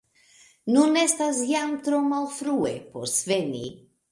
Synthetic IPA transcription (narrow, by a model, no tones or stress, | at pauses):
nune̞stasjamtɾo̞malfɾue̞̰po̞̰ɾsve̞nḭ